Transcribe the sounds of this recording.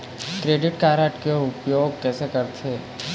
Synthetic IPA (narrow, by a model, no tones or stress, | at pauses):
kɾeːɖɪʈkaːɾəʈkeoʊpjoːɡ̚kɛːsekəɾt̪ʰeː